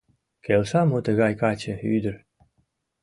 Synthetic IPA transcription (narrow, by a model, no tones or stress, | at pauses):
kelʃɑmot̪əɣɑjkɑt͡ɕə̆yd̪ə̆ɾ